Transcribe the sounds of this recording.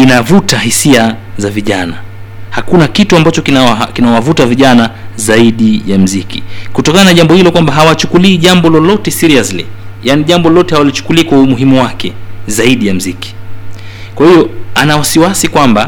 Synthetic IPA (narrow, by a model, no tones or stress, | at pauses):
inavutahisia | zaviʄana | hakunakituambat͡ʃɔkinakinawavutaviʄanazaiɗijam̩zikḭkutɔkananaʄambɔhilɔkwambaɦawat͡ʃukuliːʄambɔlɔlɔtɛsiɾiazlɛ̰janiʄambɔlɔtɛhawalit͡ʃu̥kuliːkwaumuɦimuwakɛ̰zaiɗijam̩ziki̥ | kwahijɔanawasiwasikwamba